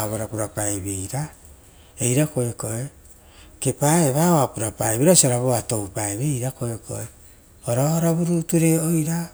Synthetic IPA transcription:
βoɾapuɾapaeβejɾa | ejɾako̞eko̞e | ke̞paeβaoapuɾapajβiɾasiaɾaβoato̞wpaeβejɾako̞ekʰo̞̰e | oɾaohaɾaβuɾutuɾe̞ojɾa

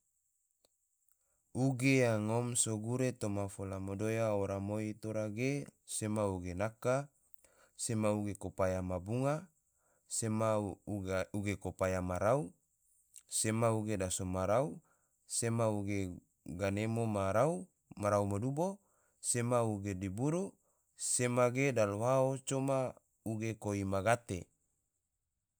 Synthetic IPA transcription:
uɡejaŋomsoɡuɾet̪omafolamodojaoɾamoit̪oɾaɡesemauɡenaka | semauɡekopajamabuŋa | sema | uɡekopajamaɾau | semauɡedasomaɾau | semauɡe | ɡanemomaɾau | maɾaumadubo | semauɡedibuɾu | semaɡedaloɦaot͡ʃoma | uɡekoimaɡat̪e

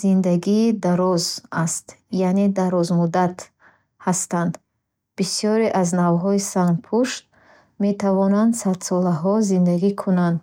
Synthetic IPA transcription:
z̥ind̪aɡid̪aɾɔzast̪janed̪aɾɔzmud̪at̪ | hast̪and̪ | b̥isijɔɾeʔaznavɦɔisanpʰuʃt̪̚ | me̞t̪ʰavɔnand̪sad̪sɔlaɦɔzind̪aɡikʰunand̪

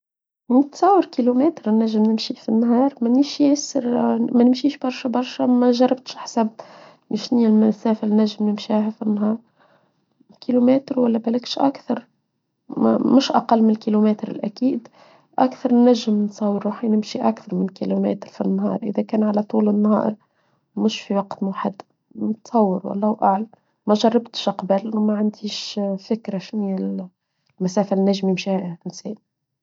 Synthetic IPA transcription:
nt̪sˤɑːwːəɾkilumɛːt̪ɾnːæʒːɪmnɪmʃifinːɦɑːɾˤmæniʃjæːsɪɾmænɪmʃiːʃbɑɾˤʃæbɑɾˤʃæmæʒɑɾˤːɑb̚t̪ʃʔaħsæb̚ | nɪʃnilmɪsæːfɪlnːæʒːɪmnɪmʃiaɦæfinːɦɑːɾˤ | kilumɛːt̪ɾwælːæbælɪkʃʔa̰kθɑɾˤ | mʊʃʔɑqɑlːmɪnɪlkilumɛːt̪ɾɪ̰lʔækiːd̪ | ʔakθɑɾˤnːæʒːɪmnt̪sˤɑwːəɾˤːuħinɪmʃiʔækθɑɾˤmɪnlkilumɛ̰ːt̪ɾfinːhɑ̰ːɾˤʔɪ̰ðækæːnʕalæt̪ˤuːlɪnːhɑ̰ːɾ | mʊʃfiwɑqt̪mʊħad̪ | mt̪sˤɑwːəɾwɑ̰lˤːɑːʔaʕlæ | mæʒɑrˤːɑbt̪ʃʔɑqbælmæʕand̪iːʃfɪkɾaʃwial | mæsæːfænːæʒmimʃiːhʔɪnsɛːn

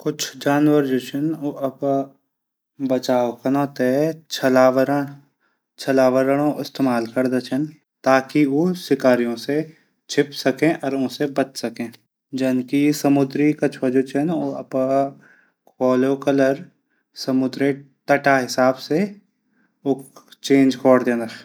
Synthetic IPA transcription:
kʊt͡ʃʰd͡ʒaːnwəɾd͡ʒoːt͡ʃʰɪnoʔɐb | bɐt͡ʃaːokanɔːt̪et͡ʃʰɐlaːʋəɾəɽ̃ | t͡ʃʰɐlaːʋəɾəɽ̃õʔɪst̪eːmaːlkɐɾd̪at͡ʃʰən | t̪aːkioːsɪkaːɾijõse | t͡ʃʰɪpsɐkẽʔɔːɾõːsebɐt͡ʃsɐkẽː | d͡ʒɐnkisəmʊd̪ɾikɐt͡ʃʰod͡ʒot͡ʃʰənoɐ̰p | kɔːloːkələɾ | səmʊd̪ɾet̪əʈaɦɪsaːbse | oːt͡ʃẽːnd͡ʒkɔːɽd̪eːna

